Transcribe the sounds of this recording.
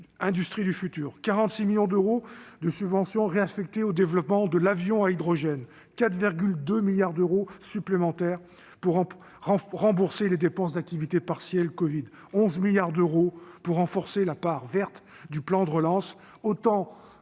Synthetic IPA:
ɛ̃d̪yst̪χid̪yfyt̪yːʁkaʁɑ̃t̪similjɔ̃d̪øʁod̪əsybvɑ̃sjɔ̃ʁeafɛk̚t̪eod̪evlɔpmɑ̃d̪əlavjɔ̃aid̪ʁɔʒɛn | kat̪viʁɡʲyld̪ømiljaʁd̪øʁosyplemɑ̃t̪ɛʁ | puʁ | ʁ̃ʁɑ̃buʁseled̪epɑ̃s̬d̪ak̚t̪ivit̪epaʁsjɛlkɔvid̪ | ɔ̃zmiljaʁd̪øʁopuʁːɑ̃fɔʁselapaʁvɛʁt̪ | d̪yplɑ̃d̪əʁəlɑ̃s | ot̪ɑ̃

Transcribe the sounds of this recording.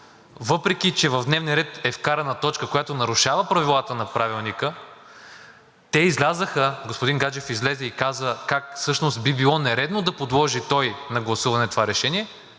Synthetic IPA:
vɤpɾɛk̟it͡ʃɛvɐvd̪nɛvnʲiɾɛt̪ɛfkaɾɐnɐt̪ɔt͡ʃkəkojat̪onɐɾʊʃavəpɾɐvilˠat̪ənɐpɾavilˠnikə | t̪ɛizlʲazəxəɡospʊd̪inɡad͡ʒɛfizlɛzɛikazəkakfsɤʃnos̬t̪̚bibilˠɔnɛɾɛd̪nod̪ɐpod̪lˠɔʒit̪ɔjnɐɡlˠɐsuvɐnɛt̪ovaɾɛʃɛniɛ

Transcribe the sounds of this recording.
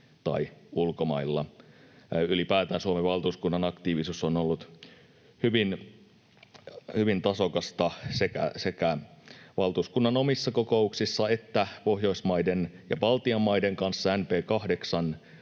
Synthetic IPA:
t̪ɑ̰iulkomɑ̰ilːɑ̰ | ylipæːt̪æːnsuomeʋɑlt̪uːskunːɑnɑkt̪iːʋisusːonolːut̪ | hyʋin | hyʋint̪ɑsokɑst̪ɑsekæ̰sekæʋɑlt̪uːskunːɑnomisːɑko̞kouksisːɑe̞t̪ːæpo̞hjo̞ismɑidenjɑ̰ʋɑlt̪iɑmːɑideŋkɑnsːɑænpeːkɑhdeksɑn

